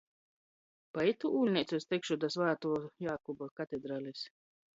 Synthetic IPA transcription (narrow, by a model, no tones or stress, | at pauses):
pait̪uʔuːlʲnʲɛt̪sʲust̪ʲɛkʃud̪asvaːt̪uɔjaːkɔbakat̪ed̪ɾaːlʲes